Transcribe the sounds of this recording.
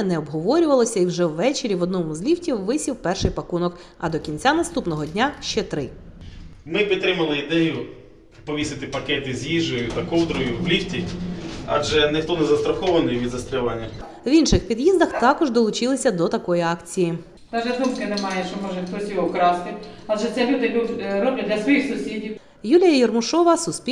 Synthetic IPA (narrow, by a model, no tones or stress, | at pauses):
nɛɔbɦɔʋɔɾʲʊʋɐlˠɔsʲɐiwʒɛwːɛt͡ʃeɾʲiʋɔd̪̚nɔmʊzlʲiwtʲiwːɪsʲiwpɛrʃɪjpɐkunɔk | ɐd̪ɔkʲinʲt͡sʲanɐst̪upnɔɦɔdʲnʲaʃt͡ʃɛt̪ɾɪ | mɪpʲit̪ːɾɪmɐlˠɪid̪ɛjʊ | pɔʋʲisɪt̪ɪpɐkɛt̪ɪzʲjiʒɔjʊt̪ɐkɔwd̪ɾɔjʊʋlʲiwtʲi | a̰ʒɛnɪxt̪ɔnɛzɐst̪ɾɐxɔʋɐnɪjʋʲid̪zɐst̪ɾʲɛʋanʲːɐ | ʋinʃɪxpʲid̪jizd̪ɐxt̪ɑkɔʒd̪ɔlˠʊt͡ʃɪlˠɪsʲɐd̪ɔt̪ɐkɔjiɑkt͡sʲiji | d̪ɑʒɛuskɐnɛmɑjɛʃɔmɔʒɛpɾɔsʲiʋɔwkɾɑst̪ɪɑʒɛt̪ʲɛlʲud̪ɪlʲuɾɔblʲɐd̪ʲlʲɐsʋɔjixsʊsʲidʲiw | julʲijɐjɛrmʊʃɔʋɐsʊspʲi